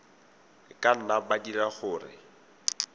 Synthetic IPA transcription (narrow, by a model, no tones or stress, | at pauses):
kʼan̩nabadiraχʊːrɪ̰